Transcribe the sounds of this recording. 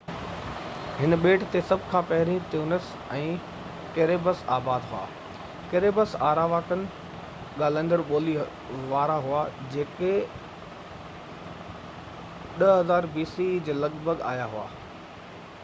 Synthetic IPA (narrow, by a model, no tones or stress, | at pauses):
ɦɪnɓeːʈt̪esɐbʱkʰãːpɐɦɪɾĩt̪iuːnəs | ɛ̃ː | keːɾeːbəsa̰ːbaːd̪ɦua̰ː | keɾeːbəsaːɾaːʋaːkənɪ̆ | ɠaːlə̃nd̪əɾɓoːli | ʋaːɾaɦʊad͡ʑeːke | ɗəɦɐzaːɾbiːsid͡ʑeːlɐɠbʱəɡa̰ːjaɦua̰ː